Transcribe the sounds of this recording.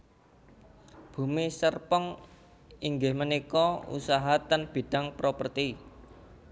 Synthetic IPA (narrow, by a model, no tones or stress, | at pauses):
b̥ṳmisərpəŋ | iŋɡɪhmənikɔṵsaɦat̪ənb̥i̤ɖ̥ä̤ŋpɾopərt̪i